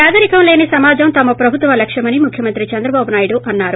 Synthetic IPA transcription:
aːd̪ɐɾikɐmle̞ːnisɐmaːd͡ʒɐmt̪ɐmɐpɾɐbʱut̪ʋɐlɐkʂɐmɐnimukʰjɐmɐnt̪ɾit͡ʃɐnd̪ɾɐbaːbunaːjiɽuʔɐnːaːɾu

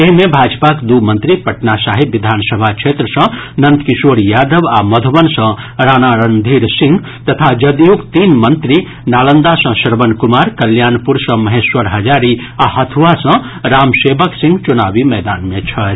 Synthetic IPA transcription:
eɦimẽbʱaːd͡ʒpakd̪umə̃nt̪ɾipɐʈnasaːɦiʋid̪ʱaːnsəbʱakt͡ʃʰet̪ɾəsə̃nɐnt̪kisoːɾjaːd̪əʋaməd̪ʱəbənsə̃ | ɾaːnaɾənd̪ʱiɾsĩŋɡ | t̪ɐt̪ʰad͡ʒəd̪jukt̪iːnmənt̪ɾi | naːlənd̪asɐ̃səɾbənkumaːɾkɐljaːnpuɾsə̃mɐɦeswəɾɦɐd͡ʒaːɾi | aɦɐt̪ʰʋasɐ̃ | ɾaːmseːbəksĩŋɡt͡ʃunaːʋimɛːd̪aːnmẽt͡ʃʰɐ

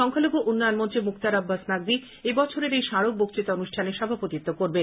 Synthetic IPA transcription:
ʃɔŋkʰalobʱoʔunːɔjonmont͡ɕemukt̪aɾabːasnaɡ̚d̪i | ebɔt͡ɕʰoɾeɾejʃaɾok̚bok̚t͡ɕit̪onuʃʈʰaneɾʃɔbʱapot̪it̪ːokoɾben

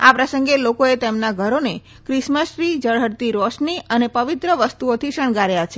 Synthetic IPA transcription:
apɾəsəŋɡelokoet̪emnaɡʱəɾone | kɾɪʃməʃɾid͡ʒəɽ̤əɽt̪iɾɔʃniʔənepəʋit̪ɾəʋəst̪uot̪ʰiʃəɳ̃ɡaɾjat͡ʃʰe

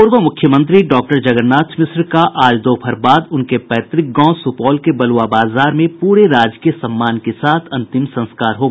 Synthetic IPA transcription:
pʊɾʋəmʊkʰjəmə̃nt̪̬ɾiɖɔːk̚ʈəɾd͡ʒɐɡəɾnːaːt̪ʰmɪsɾkaʔaːld̪oːpʰɐɾbaːd̪ʊnkepɛːt̪ɾɪk̚ɡɔ̃ːsʊpɔːlkebɐlwabaːzaːɾmẽpuːɾeɾaːd͡ʒkijəsɐmːaːnkesaːt̪ʰɐ̃nt̪ɪmsɐ̃nskaːɾɦoːɡ

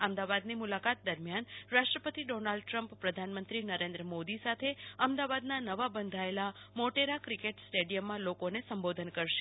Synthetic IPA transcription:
amd̪aʋad̪nimulakat̪̚d̪əɾmjanɾaʃʈɾəpət̪iɖonalɖʈɾəmppɾəd̪ʱanmənt̪ɾinəɾẽnd̪ɾəmod̪isat̪ʰeəmd̪aʋad̪nanəʋabənd̪ʱaelamoʈeɾakɾikeʈsʈeɖijəmːãlokonesəmbod̪ʱənkəɾʃe̥

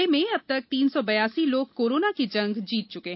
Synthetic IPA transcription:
emẽɐb̚t̪ɐk̚t̪iːnsɔbɐjaːsiloːɡ̚koːɾoːnakid͡ʒɐ̃ŋɡd͡ʒiːt̪̚t͡ʃʊkeɦ

